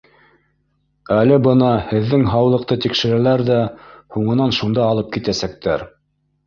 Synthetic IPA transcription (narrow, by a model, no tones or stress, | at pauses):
ælɘbɤnɑhɘ̆ðːɘŋɦɑwlˠɤ̆q̚t̪ɤt̪ikʃɘ̆ɾælæɾðæhuɴɤ̆nɑnʃund̪ɑːlˠɤp̚kit̪æsæk̚t̪ʰæɾ